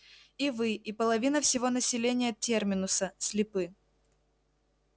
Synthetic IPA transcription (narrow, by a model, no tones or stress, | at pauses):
ivɨipəlˠɐvʲinəfsʲɪvo̞nəsʲɪlʲenʲɪjətʲːermʲɪnʊsəsʲlʲɪpɨ